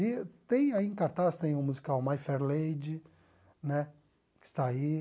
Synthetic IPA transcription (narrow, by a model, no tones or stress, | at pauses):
it̪ẽj̃aiẽkaɾt̪ast̪ẽj̃ʊ̃muzikawmajfɛɾled͡ʒɪ | nɛ | kɪ̥st̪ai